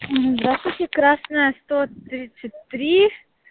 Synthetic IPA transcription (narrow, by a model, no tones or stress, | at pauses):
ɦ̩zd̪ɾast̪vʊtʲɪkɾasnəjəst̪ot̪ɾʲit̪sɨtʲt̪ɾʲi